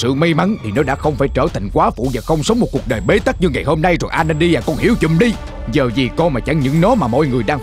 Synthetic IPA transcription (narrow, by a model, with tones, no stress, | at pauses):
sɨ̰˧˨ma˧jma˨˦nt̪ʰi˨˩nɔ˨˦ɗa̰ː˧˥xə˧wŋ͡mfaː˧˩jt͡ɕəː˧˩t̪ʰa˨˩jŋ̟kwaː˨˦fṵ˧˨vaː˨˩xə˧wŋ͡msə˨˦wŋ͡mmo˨˩t̚ku˨˩ək̚ɗəː˨˩jɓe˨˦t̪a˦˥k̚ɲɨ˧ŋːa˨˩jho˧mna˧jzɔ˨˩nʔaː˧ne˧nɗi˧jaː˨˩kɔ˧˩nhḭ˧˩˦əwt͡ɕʊ̰˧˨mɗi˧ | zəː˨˩zi˨˩kɔ˧maː˨˩t͡ɕa˧˩ŋɲɨ̰˧˥ŋnɔ˨˦maː˨˩mo̰˧˥jŋɨ˨˩əjɗaː˧ŋ